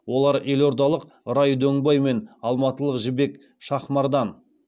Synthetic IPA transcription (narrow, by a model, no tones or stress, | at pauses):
wo̞lˠɑɾe̞lo̞ɾd̪ɑlˠəq | ɾɑjd̪ɵŋbɑjme̞nɑlˠmɑt̪əlˠəqʒɪbe̞k | ʃɑχmɑɾd̪ɑn